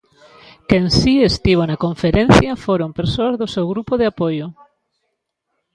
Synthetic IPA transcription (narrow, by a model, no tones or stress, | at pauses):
keŋsiest̪iβ̞onakoɱfeɾẽnθjɐfoɾompeɾsoazðʊsewɣɾupoðeapojʊ